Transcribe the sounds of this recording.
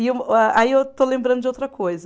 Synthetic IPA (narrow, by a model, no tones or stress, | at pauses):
imaʔaiewt̪olẽmbɾɐ̃nd̪ʊd͡ʒɪowt̪ɾɐkʰojzɐ